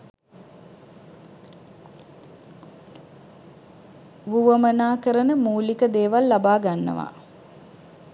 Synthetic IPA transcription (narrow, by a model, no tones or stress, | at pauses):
ʋuʋəmənaːkəɾənəmuːlikəd̪eːʋalːabaːɡanːə̰ʋa̰